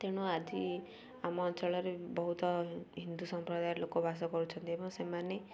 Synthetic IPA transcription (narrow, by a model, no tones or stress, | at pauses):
t̪eɽ̃uad͡ʒi | amɔːnt͡ʃɔɭɔɾebɔɦut̪ɔɦind̪usɔmpɾɔd̪ajɔɾlokɔbʱas̬ɔkɔɾut͡ʃʰɔnt̪iebɔŋsemane